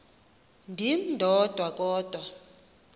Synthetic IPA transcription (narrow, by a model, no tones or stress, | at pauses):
ndʱindʱɔd̥ʱwak̬ʼɔːd̥ʱwa